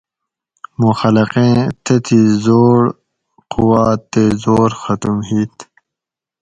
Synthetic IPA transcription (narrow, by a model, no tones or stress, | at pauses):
muxɐlɐqẽːt̪ʰet̪ʰizoːɾ | quwaːt̪ːezoːɾxɐt̪umɦiːt̪ʰ